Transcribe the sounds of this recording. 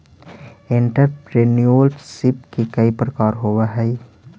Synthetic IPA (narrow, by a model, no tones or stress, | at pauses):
ɪ̃ɳʈəɾpɾeːnioːlʈsɪpkikɐipɾɐkaːɾɦoːʋaɦɛi